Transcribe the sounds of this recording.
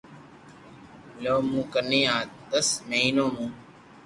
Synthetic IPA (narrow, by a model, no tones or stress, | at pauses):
loːmũːkəneːãːt̪əsməɦiːnõːmũː